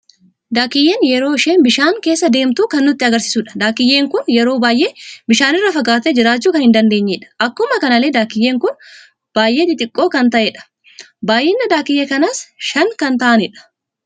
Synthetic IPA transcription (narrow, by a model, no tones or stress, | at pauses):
d̪aːkɪjeːnjɛɾo̞ːʃeːnbɪʃaːŋke̞ːsːɐd̪e̞ːmt̪uːkɐnːʊt̪ːɪɐɡɐɾsɪ̥suᶑɐ̥d̪aːkɪjːe̞ːŋkʊnjɛɾoːbaːjʔe̞ːbɪʃaːnɪrːɐfɐɡaːt̪ed͡ʒɪɾaːt͡ʃːuːkɐnhɪnd̪ɐnd̪e̞ːɲːeᶑɐ̥ʔɐkːʊmɐkɐnɐle̞ːd̪aːkɪjːeːŋkʊn | b̥aːjʔe̞ːt̪ɪt̪ʼɪkʼːo̞ːkɐnt̪ɐʔeːᶑɐ̥ | baːjʔeːnːɐd̪aːkɪjːekɐnɐsʃɐŋkɐnt̪ɐʔɐnɪᶑɐ̥